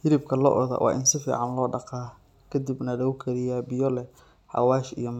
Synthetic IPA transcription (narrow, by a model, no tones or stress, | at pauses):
hɪɾɪb̚kʰɐlɔ̰ʔɔðɐ̰wʔɑ̰ːʔɪnsɪfḭːʕɑnlɔːɖɑqɑː | kʰɐd̪ɪbnɐlɔʊkʰɐɾɪjabɪjɔlɛ | ħɑ̰waːʃḭjɔm